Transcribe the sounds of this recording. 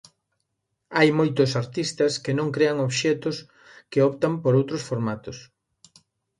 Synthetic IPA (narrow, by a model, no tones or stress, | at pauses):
ajmojt̪ʊsaɾt̪ist̪ɐskɪnõŋkɾeɐŋoβʃɛt̪ʊs | keɔpt̪ɐmpoɾowt̪ɾosfoɾmat̪os